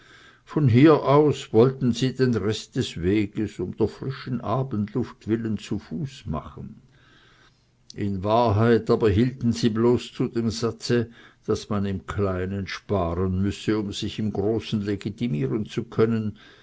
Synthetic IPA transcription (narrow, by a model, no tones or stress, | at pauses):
fɔnɦiːɐʔaʊsvɔltn̩ziːdenʁɛst̚d̥ɛsveːɡəsʊmd̥eːɐfʁ̥ɪʃn̩ʔaːbəntlʊftv̥ɪlənt͡sufuːsma̰χən̩ | ʔɪnvaːɐɦaɪtaːbɐɦiːltn̩ziːbloːst͡sudeːmzat͡səd̥asmanɪmkʰlaɪnənʃpaːʁənmʏsəʊmz̥ɪçɪmɡʁoːsn̩leɡitimiːʁənt͡sukʰœnən